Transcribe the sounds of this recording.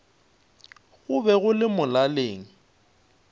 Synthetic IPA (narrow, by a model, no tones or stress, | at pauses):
ɣʊbɛɣʊlɪmʊlaleːŋ̩